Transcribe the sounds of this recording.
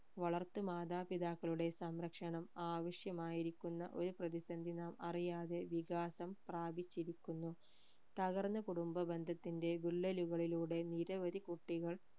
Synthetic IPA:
ʋɐɭɐrt̪ːumaːd̪aːpiðaːkːɐɭuɽe̞sɐmɾɐkʂɐɳɐmaːʋɐʂjɐmaːjiɾikʲːunːɐ̰ʔo̞ɾuprɐðisɐnd̪ʱinaːmɐrijaːðe̞ʋiɣaːsɐmpraːbit͡ɕːiɾikʲːunːu | t̪ɐɣɐrnːɐkuɽumbɐbe̞nd̪ʱɐt̪ːinde̞biɭːɐluɣɐɭiluːɽe̞niɾɐʋɐd̪ikuʈːiɣɐɭ

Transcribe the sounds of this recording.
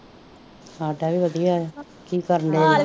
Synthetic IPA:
aːɖaːʋiːʋəd̪ijaː | kiːkəɾənd̪eː

